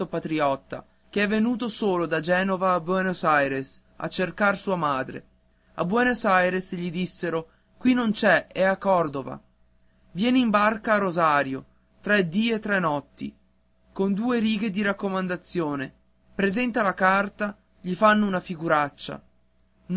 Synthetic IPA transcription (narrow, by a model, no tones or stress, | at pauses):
opat̪ɾiɔt̪ːa̰ | k̟eɛvːenuːt̪osoːlod̪ad͡ʒɛːnovaːbwɛnosajɾes | a̰t͡ʃːerkarsuːamaːd̪ɾḛ | a̰bwɛnosajɾesʎid̪isːeɾo | kwinːont͡ʃɛɛakːɔrd̪ova̰ | vjɛːneimbarkaːrozaːɾjo | t̪ɾɛd̪iːet̪ːɾɛnːɔt̪ːḭ | kond̪uːeɾiːɡed̪iɾakːomand̪at̪sːjoːne | pɾezɛnt̪alakart̪a | ʎifanːounafiɡuɾat͡ʃːa̰